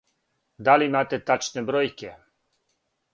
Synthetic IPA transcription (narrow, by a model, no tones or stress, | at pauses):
d̪alimaːt̪ɛt̪at͡ʃnɛbɾojkɛ